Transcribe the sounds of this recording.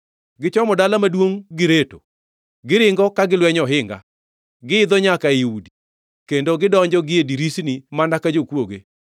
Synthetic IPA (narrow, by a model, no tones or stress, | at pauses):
ɡɪt͡ʃɔmɔdalamadwoŋɡɪɾeto | ɡɪɾɪŋɡɔkaɡɪlwɛɲɔɦɪŋɡa̰ | ɡɪɪd̪ɔɲakaiudi | kendoɡɪdɔɲd͡ʒɔɡɪediɾisnimanakad͡ʒokwoɡe